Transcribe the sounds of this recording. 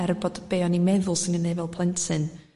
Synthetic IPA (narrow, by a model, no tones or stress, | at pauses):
ɛrboːd̥b̥eːɔnimɛðʊlˠsɪnɡənejvɛlˠpʰl̥ˠɛntʰɨn